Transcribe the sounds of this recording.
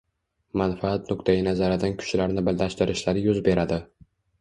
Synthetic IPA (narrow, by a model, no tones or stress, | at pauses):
manfaat̪nʊkt̪ʰajɪnazaɾɪd̪ankʰʊ̥ʃlaɾnɪbɪllaʃt̪ɪɾɪʃlaɾjʊzbe̞ɾad̪ɪ